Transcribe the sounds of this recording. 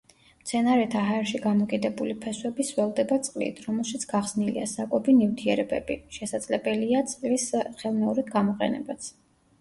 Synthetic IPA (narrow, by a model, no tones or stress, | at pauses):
mt̪sʰɛnaɾɛt̪ʰaɦaɛɾʃiɡamɔkʼid̪ɛbulipʰɛswɛbisvɛlˠd̪ɛbat̪sʼqʼlḭt̪ʰɾɔmɛlˠʃit̪sʰɡ̥aʁz̥nilḭa̰sakʼɔbinift̪ʰiɛɾɛbɛ̰b̥iʃɛsad̪z̥lɛbɛliat̪sʼqʼlisχɛlˠmɛuɾid̪ɡamɔqʼɛ̰nɛ̰bat̪sʰ